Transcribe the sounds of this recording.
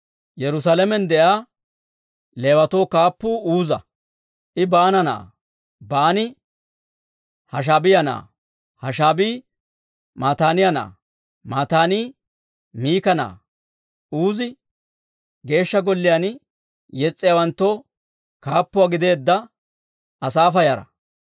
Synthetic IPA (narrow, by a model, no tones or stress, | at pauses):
jɛɾʊs̬aːlɛmɛnd̪ɛʔaː | leːwɐt̪oːkaːpːuːuːzɐ | ʔɪbaːnɐna̰ː | baːnɪ | hɐʃ̬aːbɪjɐna̰ː | hɐʃaːbiː | maːt̪aːnɪjɐna̰ː | maːt̪aːniː | miːkɐna̰ː | uːzɪ | ɡe̞ːʃːɐɡɔlːɪjan | jɛt͡sʼːɪjawɐnt̪ːoː | kaːpːʊwaːɡɪd̪e̞ːd̪ːɐ | ɐsaːfɐjɐɾɐ̰